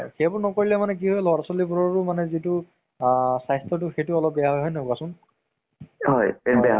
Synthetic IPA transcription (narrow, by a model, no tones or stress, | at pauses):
xejbʊɹnɔkoɹilɛmanɛk̬iɦɔjlɔɹasɔlibuɹɔɹʊmanɛzitʊ | sajstɔtʊxejtʊɔlɔp̚bɛjaɦɔjɦɔjnɛʊkasʊn | ɦɔjbɛa